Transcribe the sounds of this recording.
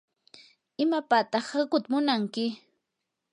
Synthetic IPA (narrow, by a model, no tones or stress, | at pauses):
ɪmapat̪ɑχhakʊt̪mʊnaŋkɪ